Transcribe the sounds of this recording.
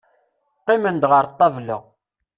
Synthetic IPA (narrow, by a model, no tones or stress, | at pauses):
qːɪmənd̪ʁəɾt̪ˤːɑvlə̰ʁ